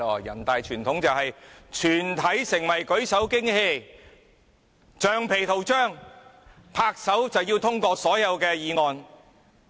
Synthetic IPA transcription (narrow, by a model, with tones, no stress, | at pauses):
ɔː˨˩jɐ̰˨˩nt̪aː˨jt͡ʃʰyː˨˩nt̪ʰʊ˨˥ŋt͡sɐ˨whɐ˨jt͡ʃʰyː˨˩nt̪ʰɐ˨˥jsɪ˨˩ŋwɐ˨˩jkɵ˨˥ɥsɐ˨˥wkɪ˥ŋhe˧j | t͡ʃœː˨ŋpʰe˨˩jt̪ʰo˨˩wt͡ʃœː˥˩ŋ | pʰaː˧k̚sɐ˨˥wt͡sɐ˨wjiː˧wt̪ʰʊ˥ŋkɔː˧sɔː˨˥jɐ˨˧wkɛː˧jiː˨˧ŋɔː˨n